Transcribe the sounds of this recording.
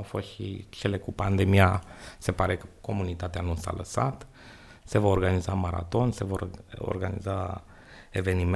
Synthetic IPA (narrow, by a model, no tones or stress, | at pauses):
wfo̞st̪ʃḭt͡ʃe̞le̞kupand̪e̞miase̞paɾe̞kəko̞munit̪at̪eanusa̰ləsat̪ | se̞vaorɡanizamaɾa̰t̪o̞nse̞voo̰rɡanḭza | e̞ve̞nim